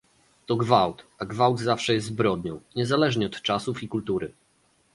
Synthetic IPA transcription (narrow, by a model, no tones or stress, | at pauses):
t̪ɔɡvawt̪aɡvawd̪zafʂɛjɛst̪zbɾɔd̪ɲɔ̃w̃ɲɛzalɛʐɲɛɔt̪t͡ʂasufikult̪uɾɘ